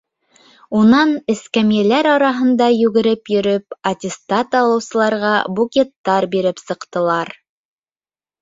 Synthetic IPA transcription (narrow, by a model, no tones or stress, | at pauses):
unɑnɘ̆skæmjælæɾɑɾɑɦɤ̆nd̪ɑjʉɡɘ̆ɾɘpjɵ̆ɾɵpɐt̪ʲɪst̪ɑt̪ɑlˠɤ̆wsɤ̆lˠɑɾʁɑbukʲet̪ːɑɾbiɾɘpsɤ̆qt̪ɤ̆lˠɑɾ